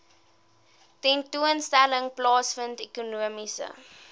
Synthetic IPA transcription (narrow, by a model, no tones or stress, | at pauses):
tɛntuənstæləŋplɑːsfəntekunuəmisə̰